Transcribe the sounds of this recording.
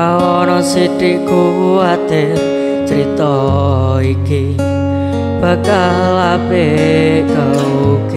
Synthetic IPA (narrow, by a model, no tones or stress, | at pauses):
aɔnɔsiɖiʔɡ̥uwuad̪̥e | t͡ʃəɾit̪ɔ | iki | b̥a̤ka | lape | ka | uk